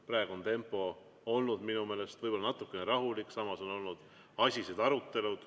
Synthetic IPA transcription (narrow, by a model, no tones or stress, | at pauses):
pɾɑːˑeɡuo̞nt̪e̞mpːˑo̞ | o̞lnud̪̥minume̞ːle̞st̪vɤjbo̞lːɑnɑt̪ːˑukːˑe̞neɾɑɦulikːˑsɑmɑso̞no̞lnud̪̥ | ɑsʲised̪̥ɑɾut̪ːe̞lud̪̥